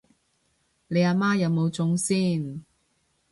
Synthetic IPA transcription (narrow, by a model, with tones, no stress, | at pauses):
le˨˧jaː˧maː˥jɐ˨˧wmo˨˧wt͡sʊ˧˥ŋsiː˥n